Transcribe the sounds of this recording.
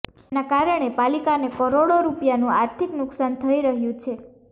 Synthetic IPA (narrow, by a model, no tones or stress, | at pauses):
enakaɾəɽ̃epalikanekəɾoɽoɾupjanũaɾt̪ʰiknʊksant̪ʰəiɾəɦjũt͡ʃʰe